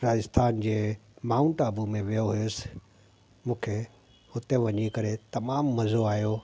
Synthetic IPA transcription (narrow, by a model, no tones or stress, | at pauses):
ɾaːd͡ʑɪst̪ʰaːnd͡ʑeːmaːʊ̃ɳʈəbʱumẽʋijoɦʊjosɪ̥ | mũːkʰe | hʊt̪eʋɐɲikɐɾet̪ɐmaːmːɐzoaːɦijo